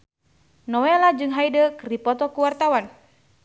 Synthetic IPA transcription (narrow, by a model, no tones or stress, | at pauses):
nɔwɛlad͡ʒɨŋɦaidəkɨrdipɔt̪ɔkuwart̪awan